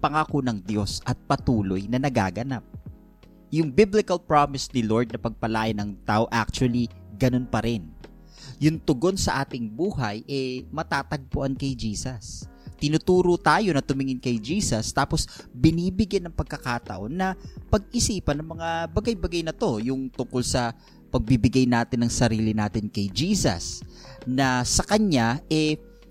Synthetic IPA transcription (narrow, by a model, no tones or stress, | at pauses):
pɐŋakonɐŋd̪jo̞sʔɐt̪̚pɐt̪uːlojnɐnɐɡa̰ːɡɐnap̚ | jʊŋbɪblɪkɐlpɹamɪsnɪlo̞ɹd̪̚nɐpɐɡ̚pɐlaːjɐnɐŋt̪aːʔoʔa̰k̚t͡ʃʊɐliɡɐno̞npɐɾɪn | jʊŋt̪ʊɡo̞nsɐʔaːt̪ɪŋbuːɦɐjʔɛmɐt̪aːt̪ɐɡ̚pʊʔankɐjd͡ʒiːsɐst̪ɪnut̪uːɾot̪aːjo̞nɐt̪ʊmɪŋɪnkɐjd͡ʒiːsɐst̪aːpo̞sbɪniːbɪɡjanɐŋpɐɡ̚kɐkaːt̪ɐ̰ʔo̞nːɐpɐɡ̚ʔɪsiːpɐnɐŋmɐŋabɐɡajbɐɡajnɐt̪o̞jʊŋt̪ʊŋko̞lsɐ | pɐɡ̚bibɪɡajnaːt̪ɪnːɐŋsɐɾiːlɪnaːt̪ɪnkɐjd͡ʒiːsɐ̰snɐsɐkɐɲaʔɛ